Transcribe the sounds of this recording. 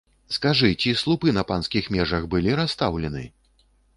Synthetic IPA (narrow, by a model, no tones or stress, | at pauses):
skaʐɨt͡sʲislˠupɨnɐpanskʲixmʲɛʐɐɣbɨlʲiɾast̪awlʲɛnɨ